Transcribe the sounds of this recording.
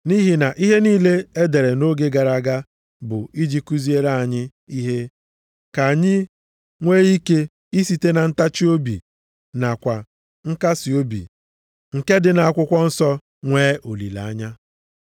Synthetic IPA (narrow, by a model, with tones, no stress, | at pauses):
ni˦ɦi˨na˨ʔi˦ɦe˦niː˦le˦e˦de˨ɾe˨no˦ɡe˦ɡa˨ɾa˨ɡa˦ | bʊ˨i˦d͡ʒi˦ku˦zi˦e˦ɾa˦˨a˨ɲɪ˦ | i˦ɦe˦ | ka˨ɲɪ˦ | ŋʷeː˦i˦ke˦ | i˦si˨te˦na˨n̩˦ta˦t͡ʃi˦o˦bḭ˨ | na˨kʷa˨ | ŋ̩˦ka˦si˨o˦bḭ˨ | ŋ̩˨ke˦dɪ˨na˨a˨kʷʊ˦kʷɔ˦n̩˦sɔ˦ | ŋʷeː˦o˨lḭ˨la̰˨a˦ɲa˦